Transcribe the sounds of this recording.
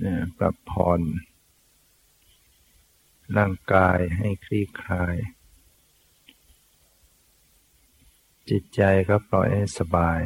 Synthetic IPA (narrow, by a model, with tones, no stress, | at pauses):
aː˧˩ka̰˧˩pʰːɔ̰ː˧˩n | laː˧˥˩ŋkaː˧jɦa˧˩jkʰɾiː˧˥˨kʰaː˧j | t͡ɕi˧t̪̚t͡ɕa˨˧jka˧˦˥p̚lɔ̰ː˧˨˩jhã˥˧˩jsa˧baː˨˩j